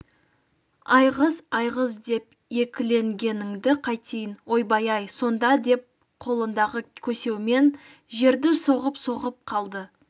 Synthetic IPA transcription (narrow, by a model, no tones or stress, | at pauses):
ɑjʁəzɑjʁəzd̪e̞p̚ | je̞kʲɪle̞ŋɡʲe̞nɪŋd̪ɪqʰɑjt̪ejɪnwo̞jbɑjɑjso̞nd̪ɑd̪e̞p̚ | qʰo̞lˠənd̪ɑʁəkʲʰɵse̞wɪme̞n | ʒe̞ɾd̪ɪso̞ʁəpso̞ʁəp̚qʰɑlˠd̪ə